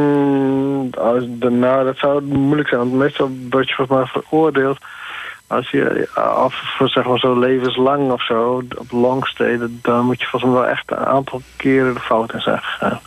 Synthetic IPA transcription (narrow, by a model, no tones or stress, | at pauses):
dnaːdɔtsawmuləksɛ̃jnʋɔntmeːstɔlˠʋɔrtjəfɔlˠsmɛjfəroərdeːlˠt | ɔ̰lˠsjə̰ɔffsɛxmaːrsoleːvənslaŋɔfsoːɔ̰plɔŋsteːddɔnmutjə̥fɔlˠsmɛʋɛlˠʔɛ̰xtəna̰ːntʰɔlˠkʰɪəɾədəfawtɪnsɛ̰xəxa̰ːn